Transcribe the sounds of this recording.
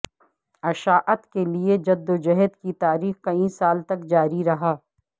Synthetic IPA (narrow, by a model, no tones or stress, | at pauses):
ɐʃaːʔət̪kelied͡ʒɐd̪ːod͡ʒɐɦəd̪kit̪aːɾiːxkɐĩsaːlt̪ɐkd͡ʒaːɾiɾɐɦaː